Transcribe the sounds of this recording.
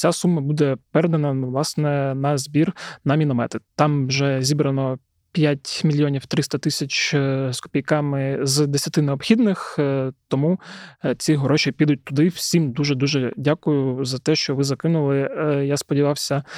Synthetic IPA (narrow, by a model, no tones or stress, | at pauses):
t͡sʲasumːɐbud̪ɛpɛɾɛd̪ɐnɐʋlˠɑsnɛnɐzbʲirnɐmʲinɔmɛ̰t̪ɪt̪ɑmwʒɛzʲibɾɐnɔ | pʲjatʲmʲilʲjɔnʲiwt̪ɾɪst̪ɐt̪ɪsʲɐt͡ʃskʊ̥pʲijkɑmɪzd̪esʲɐt̪ɪneɔbxʲid̪nɪxt̪ɔmut͡sʲiɦɔɾɔt͡ʃʲipʲid̪ʊt̚ʲt̪ʊd̪ɪw̥sʲimd̪uʒɛd̪uʒɛdʲakʊjʊzɐt̪ɛʃt͡ʃɔʋɪzɐkɪnʊlˠɪjaspɔdʲiʋɑwsʲɐ